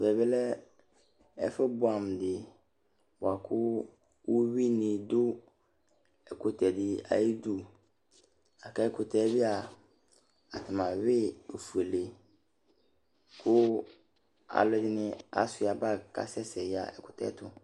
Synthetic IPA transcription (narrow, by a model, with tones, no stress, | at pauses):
bɛ˨bɛ˦lɛ˦ | ɛ̰˦fɛ˦bʊ˦a˨m˨dɪ˨ | bʊ˨a˨kʰʊ˦ | wo˦ɥi˦nɪ̃˨dʊ˦ | ɛ˨kʰʊ˨tʰɛ˨dɪ˨a̰˨i˦du˦˨ | a˨kʰa˦ɛ˦˨kʰʊ˨tʰɛ˨˦bɪ˦a˨ | a˨tʰɪ˨mã˨ɥɪ˦o˨fu˨e˨le˨ | kʰʊ˦ | a̰˨lɔ˦dɪ˦nɪ̃˦a̰˦sʊ˨a˨ba˦kʰa̰˦sɛ˦sɛ˨ja̰˨ɛ̰˨kʰʊ̥˨tʰɛ̰˦tʰʊ˨